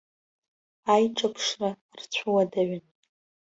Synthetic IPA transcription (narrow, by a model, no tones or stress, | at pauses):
ajʈ͡ʂʼapʰʂra | rt͡ɕʷʰuwadaɥɪn